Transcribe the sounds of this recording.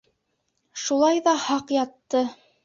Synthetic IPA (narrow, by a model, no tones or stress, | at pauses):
ʃulˠɑjðɑhɑqjɑt̪ːɤ